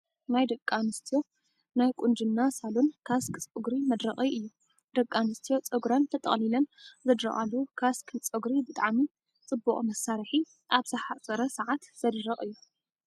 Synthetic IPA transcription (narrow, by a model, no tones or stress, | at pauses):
najd̪ɐkʼːanɨst̪ʰijo̞ | najkʼund͡ʒɨnːasalonkʰaskʰʼɨt͡sʼoɡɾimɐd̪ɾɐχʼiʔɨjːu | d̪̥ɐkʼːanɨst̪ʰijo̞t͡sʼɨɡɾant̪ʰɐt̪ʼɐ̰χʼnilɐnzɐd̪ɾɐ̰ʔʼalːukʰaskʰɨt͡sʼɨɡɾibɨt̪ʼaʕmi | t͡sʼɨbːuχʼmɐsːaɾħi | ʔaβzɐħat͡sʼɐɾɐsɐʕat̪z̥ɐd̪ɾɐχʼɨjːu